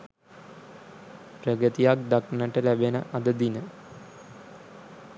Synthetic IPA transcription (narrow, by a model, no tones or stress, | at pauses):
prəɡət̪ijak̚d̪aknəʈəlæbenə̰ʔɐd̪əd̪inə